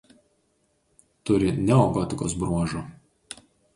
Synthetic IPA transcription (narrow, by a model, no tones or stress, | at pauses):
t̪ʊɾʲɪnʲɛɔɡɔt̪ʲɪko̰ːsbɾuɔʒoːˑ